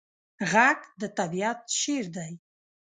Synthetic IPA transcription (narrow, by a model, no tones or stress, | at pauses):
ɣaɡd̪ət̪abiat̪ʃeɾd̪aj